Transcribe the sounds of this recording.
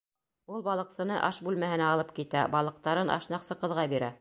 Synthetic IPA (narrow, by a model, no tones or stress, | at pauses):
ulˠbɑlˠɤ̆qsɤ̆nɤʔɑʃbʉlmæhɘ̆næɑlˠɤpkit̪æbɑlˠɤ̆q̚t̪ɑɾɤnʔɑ̰ʃnɑqsɤqɤ̆ðʁɑbiɾæ